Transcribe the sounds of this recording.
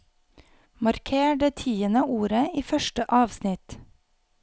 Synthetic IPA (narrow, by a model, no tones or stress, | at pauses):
mɑɾkʰeːɖeːt̪ʰiːənəuːɾəiːfœʃʈəʔɑːʋsnɪt̪